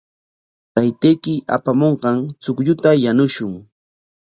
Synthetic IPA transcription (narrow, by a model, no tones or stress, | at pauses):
t̪ajt̪ejkɪa̰pamoɴqɑŋt͡sʊkʎʊt̪ajanʊʃʊŋ